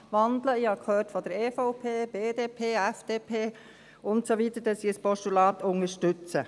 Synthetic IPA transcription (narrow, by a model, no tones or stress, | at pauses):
ʋɑnd̪ləɪɑkʰhøːtfɔd̥əɾeːfɔʊpʰeːb̥eːdeːpʰeːæfd̥eːpʰeː | ʊntsoʋit̪ədɑsiəspɔʃtulɑːt̪ʊŋəʃtʏt͡sə